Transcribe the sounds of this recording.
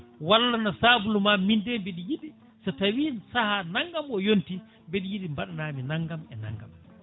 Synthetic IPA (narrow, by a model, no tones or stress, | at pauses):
walːanasaːbulumamindɛmbeɗijiɗi | satawiːnsahanaŋɡamɔjonti | mbeɗijiɗimbaɗanaːminaŋɡamɛna̰ŋɡa̰m